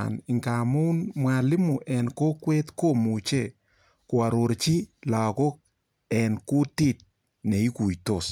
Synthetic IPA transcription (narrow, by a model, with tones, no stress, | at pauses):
nɪ˨ŋka˨mu˦nmwa˨lɪ˦mu˨ʔɛ˨nko˦kwe˦tko˦mu˨t͡ʃe˦˨ | ko˨a˨ɾo˨ɾt͡ʃi˦la˨ko˦k̚ | ɛ˨nku˦ti˦˨t̚ | ne˨i˦ku˨jto˨s